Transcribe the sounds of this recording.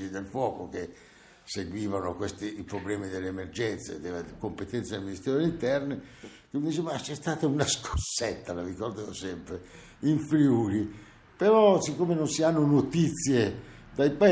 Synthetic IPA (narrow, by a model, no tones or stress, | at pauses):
id̪elfwɔːkok̟e | seɡwiːvanokwest̪iipɾoblɛːmid̪elːemerd͡ʒɛnt̪sḛd̪elakompet̪ɛnt̪sad̪elminist̪ɛɾoleint̪ɛrni | kemid̪it͡ʃːemat͡ʃɛst̪aːt̪aunaskʰo̥sːɛt̪ːalavikord̪evosɛmpɾe | iɱfɾiuːɾi | peɾɔsikːoːmenonsianːonot̪it̪sːje | d̪ajpa